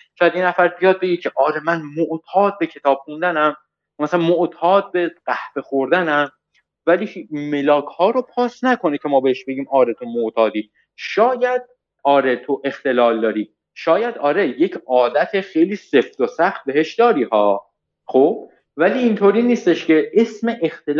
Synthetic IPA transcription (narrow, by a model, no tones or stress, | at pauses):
ʃojæd̪jenæfæɾbijɒːd̪̚be̞ɟicʰe̞ʔɒːɾemænmoʔt̪ʰɒːd̪̚be̞cʰe̞t̪ʰɒːb̥̚xund̪ænæm | jmæsælænmoʔt̪ʰɒːd̪̚be̞ɢæhve̞xoɾd̪ænæm | væliːme̞lɒːkʰhɒːɾopʰɒːsnækʰo̞necʰe̞mɒːbe̞heʃbe̞ɡiːmɒːɾe̞t̪ʰomoʔt̪ʰɒːd̪iː | ʃɒːjæd̪̥̚ | ɒːɾe̞t̪ʰoʔe̞xt̪e̞lɒːld̪ɒːɾiː | ʃɒːjæd̪ɒːɾeje̞cʰɒːd̪æt̪ʰexejliːse̞ft̪osæxt̪̚be̞ɦe̞ʃd̪ɒːɾiːhɒː | xob̥ | væliːnt̪ʰoɾiːniːst̪eʃcʰe̞ʔesme̞ʔext̪el